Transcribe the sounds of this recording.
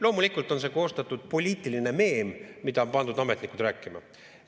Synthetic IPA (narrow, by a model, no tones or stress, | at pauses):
lo̞ːmulikːˑult̪ˑo̞nse̞ko̞ːst̪ɑt̪ːˑud̪̥̚po̞lʲiːt̪ˑiline̞me̞ːmːid̪̥ɑpɑnd̪̥ud̪ɑme̞t̪ˑnikud̪̥ɾæːkːˑimɑ̰